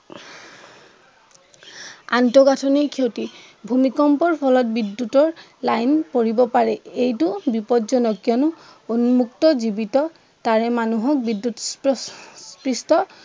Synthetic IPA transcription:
a̰ntɔɡatʰɔnekʰioti | bʱumikɔmpɔɹpʰɔlɔt̚bidːutɔɹ | lajnpoɹibɔpaɹɛejtʊbipɔtzɔnɔkːiɔnʊ | onmuktɔzibitɔ | taɹɛmanuɦɔk̚bidːuts | spɹistɔ

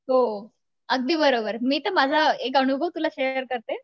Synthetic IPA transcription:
ɦo | əɡ̚d̪iːbəɾobəɾmiːt̪əmad͡zʱaek̬əɽ̃ubʱəwt̪ulaɕejəɾkəɾt̪e

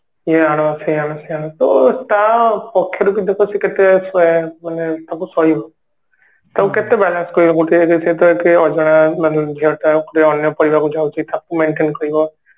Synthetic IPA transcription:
jeaɽ̃ɔ̃seaɽ̃ɔseañɔ̃t̪ɔ̰t̪apɔkʰːjɔɾukid̪ekʰɔsiket̪esɛmanet̪akusɔɦibɔ | t̪auket̪ebɛlanskɔɾibɔkuʈiekeset̪ɔekeɔd͡ʒɔɽ̃amat̪lɔbbʱiɾt̪akuʈiɔnjɔpɔɽibakud͡ʒawt͡ʃʰit̪akumeɳʈenkɔɾibɔ

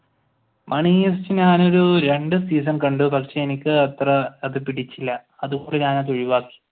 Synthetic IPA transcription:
mʔɐɳiːest͡ɕːɨɲaːno̞ɾuɾe̞ɳɖɨsiːs̬ɐnkɐɳɖɨpɐkʂeenikʲːɨɐt̪rɐɐðɨpiɽit͡ɕːilːɐ | ɐðuɣoɳɖɨɲaːnaðuɻiʋaːkːi̥

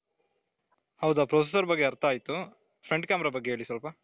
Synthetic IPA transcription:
hɐwd̪aːpɾoses̬ɐɾbɐɡːeɐɾt̪aːjit̪u | pʰɾeɳɖkaːmɾabɐɡːeɦeːɭisʋɐlpɐ

